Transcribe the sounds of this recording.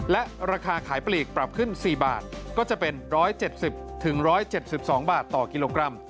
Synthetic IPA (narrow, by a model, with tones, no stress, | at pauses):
lɛ˦˥ʔɾaː˧kʰaː˧kʰaː˩˦jpliː˨˩k̚pɾa˨˩p̚kʰɯ˥˩nsiː˨˩ba̰ː˨˩t̪̚kɔː˥˩t͡ɕa˨˩pe˧nɾɔː˦˥jt͡ɕe˨˩t̪̚si˨˩p̚t̪ʰɯ˩˦ŋɾɔː˦˥jt͡ɕe˨˩t̪̚si˨˩p̚sɔː˩˦ŋbaː˨˩t̪ːɔː˨˩ki˧loː˧kɾa˧m